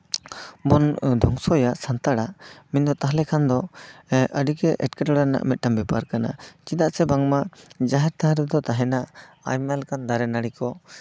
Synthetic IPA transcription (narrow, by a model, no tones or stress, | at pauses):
bɔnd̪ʱɔŋsɔjaʔsant̪aɽaʔmind̪ɔt̪aɦlɛkʰand̪ɔʔəɖikɛʔɛʈ̚kɛʈaɽana̰ʔmɛt̪̚ˀʈambipaɾkana̰t͡ʃid̪aʔsɛbaŋmad͡ʒaɦɛɾt̪aɦɾɛd̪ɔt̪aɦɛnaʔ | a̰jmalkand̪aɾɛnaɽikɔ